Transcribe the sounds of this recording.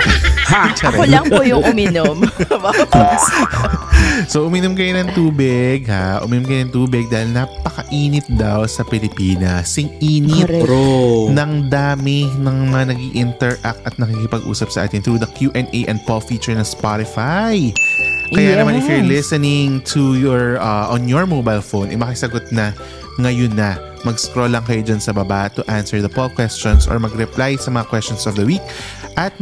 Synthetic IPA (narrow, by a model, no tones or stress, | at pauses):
t͡ʃɛɾɛoɐŋpojʊŋʔmiːnom | soʔʊmiːnʊmkɐjonɐŋt̪uːbɪɡhaʔʊ̰miːnʊmkɐjonɐŋt̪uːbɪɡ̚d̪aːhɪlnapɐkɐʔiːnɪt̪̚d̪ɐwsɐpɪlɪpiːnɐ̰sɪŋʔiːnɪt̪ | nɐŋd̪aːmɪnɐŋmɐŋanɐɡiʔɪnt̪ɛɹʔak̚t̪ʔɐt̪̚nɐkikɪpɐɡʔṵːsɐpsɐʔa̰ːt̪ɪnt̪ɾud̪ɐkjuʔɛnʔeʔɛ̃nd̪̚polfiːt͡ʃɛɹnɐspaɾɪfaj | kɐjanɐmannɪfjʊɹlɪsɐnɪŋt̪ʰujɔɹɐʔɔnjɔɹmobajlfownʔɛ̰mɐkɪsɐɡot̪̚nɐ | ŋɐjonːɐ | mɐɡskɾolːɐŋkɐjod͡ʒɐnsɐbɐbat̪ʊʔansɛɹd̪ɐpolkwɛst͡ʃonsʔɔ̰ɹmɐɡɾɛplajsɐmɐŋakwɛst͡ʃɔ̃nsɔfd̪ɐwiːk̚ | ʔɐt̪̚